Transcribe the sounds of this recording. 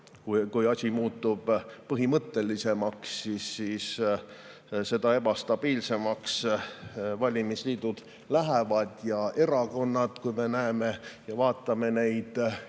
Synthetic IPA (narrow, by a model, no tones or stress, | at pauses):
kukujɑsʲimuːt̪ːˑub̥pɤɦimɤt̪ːe̞lːise̞mɑksːisːiːs | se̞d̪ɑe̞b̥ɑst̪ɑb̥iːlse̞mɑks | vɑlʲimisliːd̪̥ud̪̥ | læɦevɑd̪̥jɑʔe̞ɾɑko̞nːɑd̪kujme̞næeme̞jɑvɑːt̪ˑːɑme̞ne̞jd̪̥